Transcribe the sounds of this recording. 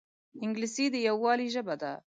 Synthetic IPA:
ɪŋɡlɪsid̪əjawːɑːliʒəbad̪a

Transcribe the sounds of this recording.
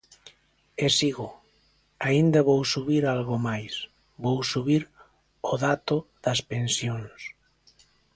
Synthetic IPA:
esiɣo | aind̪aβowsuβiɾalɣomajs | bowsuβiɾ | oðat̪oð̥ɐspensjons

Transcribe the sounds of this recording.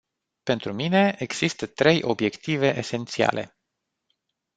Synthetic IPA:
pe̞nt̪ɾumine̞eɡz̥ist̪ət̪ɾe̞jʔo̞bje̞kt̪ive̞ʔese̞nt̪sia̰lʔe̞̰

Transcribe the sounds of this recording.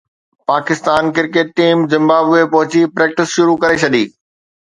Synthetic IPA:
paːkɪst̪aːnkɪɾkeːʈ̚ːiːmzɪ̃mbaːbʊepɐɦʊt͡ɕipɾeːk̚ʈɪsʃʊɾukɐɾet͡ɕʰɐɗ̪iː

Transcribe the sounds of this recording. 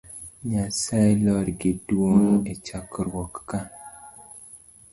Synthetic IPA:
ɲasaɛlɔɾɡɪdwoŋet͡ʃakɾwɔkːa

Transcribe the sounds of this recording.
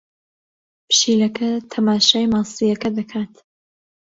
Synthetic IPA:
pʰʃiːlɐkɐt̪ʰɐmaːʃaːjmɑːsijɐkɐd̪ɐkʰaːt̪

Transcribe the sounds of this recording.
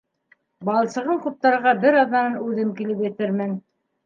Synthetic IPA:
bɑlˠsɤ̆ʁɤqŭp̚t̪ɑɾɤ̆ʁɑbɘɾɑðːɑnɑnʉðɘmkilɘpjɘ̆t̪ɘɾmɘn

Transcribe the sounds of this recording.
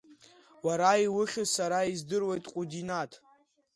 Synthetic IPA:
waɾaiwʊχʲʊsaɾaizdɨrwejtʼqʷʼudinatʰʼ

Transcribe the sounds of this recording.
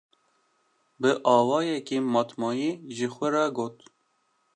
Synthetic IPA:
bɨʔɑːwɑːjɛkiːmɑːt̪mɑːjiːʒɪxʷɛɾɑɡoːt̪

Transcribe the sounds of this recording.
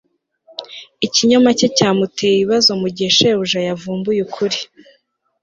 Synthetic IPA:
iciɲomacecaːmutejeβiβazo̞muɟe̞ʃeuʒajavuːmbujukʰuɾi

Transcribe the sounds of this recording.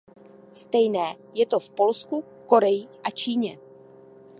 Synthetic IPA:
st̪ɛjnɛː | jɛt̪o̞fpo̞lsku | ko̞ɾɛjɪʔat͡ʃiːɲɛ

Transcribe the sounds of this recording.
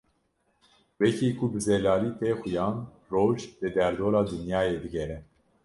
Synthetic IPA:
wɛcʰiːkʰubɨzɛlɑːliːt̪ʰeːxujɑːn | roːʒlɛd̪ɛɾd̪oːɾɑːd̪ɨnjɑːjeːd̪ɨɡɛɾɛ

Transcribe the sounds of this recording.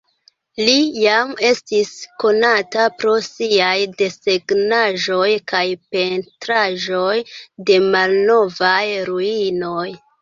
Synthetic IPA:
lijame̞stisko̞natapɾo̞siajde̞seɡnaʒo̞jkajpe̞ntɾaʒo̞jde̞malno̞vajɾuino̞j

